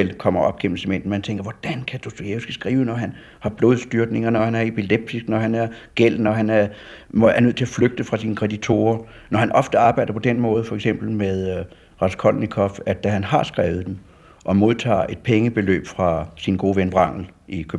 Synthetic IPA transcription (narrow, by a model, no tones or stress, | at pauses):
el̰kʰɒ̽m̰ɐɒ̽b̥̚ɡ̥em̰m̩semen̰d̥n̩mænt͡sʰeŋɡ̥ɐʋɒd̥ænkʰæd̥osd̥ujeʊsɡ̥əsɡ̥ʁiːʊnɒɦæn | hɑ̈b̥lo̝ːð̞ˠsd̥yɐɡ̥ne̝ŋɐnɒhænæɐe̝pʰileb̥̚d̥ʰisɡ̥nɒhænæɐ | ɡ̥el̰nɒɦænæɐ | æɐnøð̰ˠt͡sʰe̝æfløɡ̥̚d̥əfʁɑ̈sinəkʰʁɛd̥it͡sʰo̝̰ːɐ | nɒhænʔɒ̽fd̥əɑ̈ːb̥ɑ̈ɪ̰d̥ɐpʰɒ̽d̥enmɔ̽ːð̞ˠfɒ̽eɡ̥sem̰b̥l̩meðˠ | ʁɑ̈skʰɒlnikʰɒfæd̥æɦænɦɑ̈sɡ̥ʁɛːʊð̩ˠd̥em | ʔɒ̽mo̝ðˠt͡sʰɑ̰̈ːe̝d̥̚pʰeŋəb̥e̝lø̰ːb̥fʁɑ̈sinɡ̥o̝ːʋenʋʁɑ̈ŋ̰l̩ʔikʰøb̥̩